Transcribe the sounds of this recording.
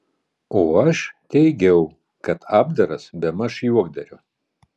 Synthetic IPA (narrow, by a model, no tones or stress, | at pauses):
oːɐʃt̪ʲɛɪɡʲɛʊ | kɐt̪ʰɑːbd̪ɐɾɐsbʲɛmɐʃjuɔɡ̚d̪ɐɾʲʊ